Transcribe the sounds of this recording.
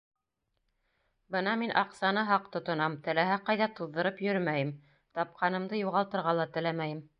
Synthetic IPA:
bɤnɑminʔɑqsɑnɤɦɑqt̪ŏt̪ŏnɑmt̪ɘ̆læɦæqɑjðɑt̪uðːɤ̆ɾɤpjɵɾmæjɘm | t̪ɑp̚qʰɑnɤ̆md̪ɤjuʁɑlˠt̪ɤ̆ɾʁɑlˠɑt̪ɘ̆læmæjɘm

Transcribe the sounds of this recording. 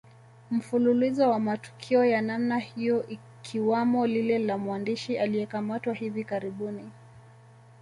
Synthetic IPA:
m̩fululizɔwamatu̥kʰiɔjanamnahijɔʔi | kʰiwamɔlilɛlamwandiʃialiɛkamatwahivikaɾiɓuni

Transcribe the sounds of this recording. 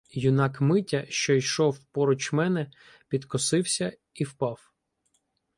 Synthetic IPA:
jʊnɑkmɪtʲɐʃt͡ʃɔijʃɔwpɔɾɔt͡ʃmɛnɛ | pʲid̪kɔsɪwsʲɐ | iwpɑw

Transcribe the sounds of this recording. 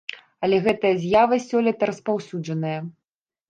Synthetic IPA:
ɐlʲɛɣɛt̪ɐjɐzʲjavɐsʲɔlʲit̪ɐɾɐspawsʲud͡ʐɐnɐjɐ

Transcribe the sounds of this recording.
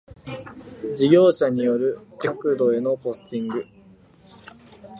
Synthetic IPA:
d͡ʑiɡʲo̞ːɕaɲ̟ijo̞ɾɯ̟kʲokɯ̟d̪o̞e̞no̞po̞sɨ̥t̪ʲĩŋɡɯ̟

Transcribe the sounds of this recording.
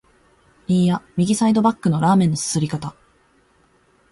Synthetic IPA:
ɾʲĩjamʲiɡʲisaid̪o̞bakːɯ̟noɾaːmẽ̞nːosɨ̥sɨɾʲikat̪a

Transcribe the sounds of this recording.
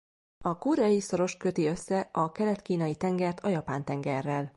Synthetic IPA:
ɒkuːɾɛjiso̞ɾo̞ʃkø̞t̪iø̞sːɛʔɒkɛlɛt̪kiːnɒjit̪ɛŋɡɛrt̪ʰɒjɒpaːnt̪ɛŋɡɛrːɛl

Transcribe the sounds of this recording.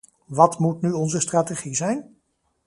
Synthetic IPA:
ʋɑtmutnyɔnzəstraːteχizɛjn

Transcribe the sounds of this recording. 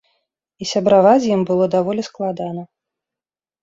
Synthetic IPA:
isʲɐbɾavazʲjimbɨlˠɔd̪avɔlʲisklˠad̪anɐ

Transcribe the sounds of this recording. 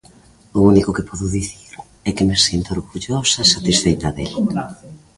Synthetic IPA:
ʊunikʊkepʰɔðʊðiθiɾ | ɛkɪmesjent̪oɾɣuʎosasat̪isfejt̪ɐðḛla

